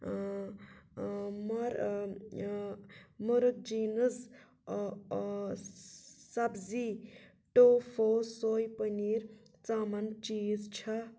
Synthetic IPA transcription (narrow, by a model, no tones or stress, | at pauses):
mɐɾ | muɾək̚d͡ʒinəz | sɐbzi | ʈopʰosoːjpəniɾ | t͡samɐnt͡ʃid͡zt͡ʃʰɐ